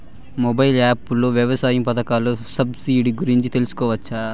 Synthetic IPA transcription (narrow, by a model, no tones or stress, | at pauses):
mobɐjilaːpulo̞ːʋjɐʋɐsaːjɐmpɐt̪ɐkaːloːsɐbsiːɖiɡuɾiɲt͡ʃit̪e̞lusu̥kɔːʋɐt͡ʃːɐ